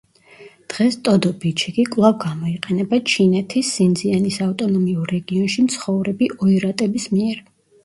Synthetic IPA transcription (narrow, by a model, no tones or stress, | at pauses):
d̪̥ʁɛst̪ʼɔd̪ɔbit͡ʃʰikʼikʼvlˠavɡamɔiqʼɛnɛbat͡ʃʰinɛt̪ʰisːind̪zianisaft̪ʼɔnɔmiuɾːɛɡiɔnʃimt̪sʰχɔvɾɛbiʔɔiɾat̪ʼɛbismiɛɾ